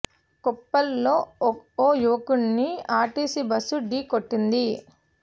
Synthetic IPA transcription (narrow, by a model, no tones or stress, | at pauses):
kɔpːɐlːoːoːjuʋɐkuɳːiaːʈiːsibɐsuɖiːkoʈːind̪i